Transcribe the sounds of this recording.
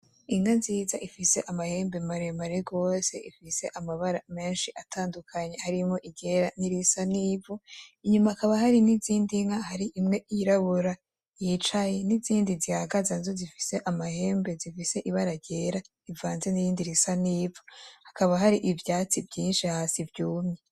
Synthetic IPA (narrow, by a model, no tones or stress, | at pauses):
iŋhanziːzaʔifise̞ʔamahe̞ːmbe̞maɾemaɾeɡo̞ːse̞̰ʔifise̞ʔamaβaɾame̞ːnʃiʔatʰaːndukʰaɲe̞haɾimoʔiɟe̞ɾaniɾisaniːvuiɲumakaβahaɾiniziːndiŋahaɾiʔimŋe̞iɾaβuɾa | jit͡ʃaje̞niziːndizihaɡazanizozifi̥se̞ʔamahe̞ːmbe̞zifise̞ʔiβaɾaɟe̞ːɾa | ivaːnze̞nijiːndiɾisaniːvuhakaβaɦaɾiʔivjaːt͡sivɟiːnʃihaːsivɟuːmɲe